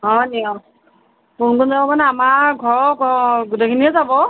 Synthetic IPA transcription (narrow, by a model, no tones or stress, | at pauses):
ɦɔniɔ | kunkʊnzabɔmanɛamaɡʱɔɹɔkɔɡutekʰiniɛzabɔ